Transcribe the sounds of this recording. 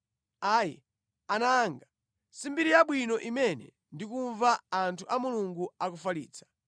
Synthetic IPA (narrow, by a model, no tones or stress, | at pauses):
aːjɛ̰ | anaːŋɡa | simbiɾijaɓwinɔʔimɛnɛ̰ | ndikuɱvaːntʰuʔamuluŋɡuakufalḭːt͡sḁ